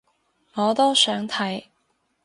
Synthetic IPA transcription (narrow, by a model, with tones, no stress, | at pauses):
ŋɔː˨˧t̪o˥wsœː˨˥ŋt̪ʰɐ˨˥j